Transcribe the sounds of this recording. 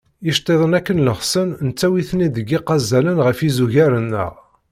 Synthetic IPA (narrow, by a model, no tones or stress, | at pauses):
iʃt̪ˤːeðˤənækːənləχsənnt͡sːæwiθnid̪əɡiqɑzælənʁəfizuʝæɾənːə̰ʁ